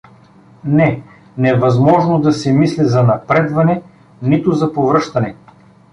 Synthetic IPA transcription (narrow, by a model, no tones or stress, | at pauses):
nɛ | nɛvɐzmɔʒnod̪ɐsɛmislizɐnɐpɾɛd̪vɐnɛ | nit̪ʊzɐpovɾɤʃt̪ɐnɛ